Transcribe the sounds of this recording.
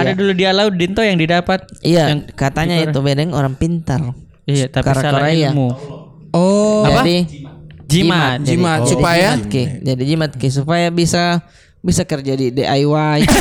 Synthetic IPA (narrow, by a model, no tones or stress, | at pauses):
adaduludialaudint̪ojaŋdidapat̪̚ijaŋkat̪aɲait̪ubedɛŋoɾaŋpint̪ar | ijat̪akaɾaaaaɾaiamu | ɔaaadi | d͡ʒid͡ʒimamd͡ʒaimat̪supajat̪̚kɪd͡ʒadid͡ʒimat̪̚kɪs̬upajabisa | bisakərd͡ʒadideʔajwaj